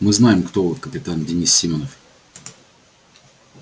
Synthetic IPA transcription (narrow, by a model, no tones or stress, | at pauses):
mɨznajɪmkt̪ovot̪kəpʲɪt̪andʲɪnʲisːʲimʲonəf